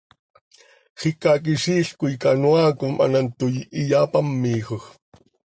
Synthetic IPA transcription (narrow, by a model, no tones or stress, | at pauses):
χikak̬iʃiːɬkuikanwaːkomʔa̰nant̪ujijapamːiːxox